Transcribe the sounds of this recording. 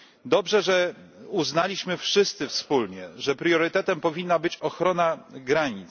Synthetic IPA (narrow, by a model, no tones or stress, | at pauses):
d̪ɔbʐɛʐɛ | uznalʲiɕmɘfʂɘst̪sɘfspulɲɛʐɛpɾjɔɾɘt̪ɛt̪ɛmpɔvʲinːabɘt͡ɕɔxɾɔnaɡɾaɲit̪s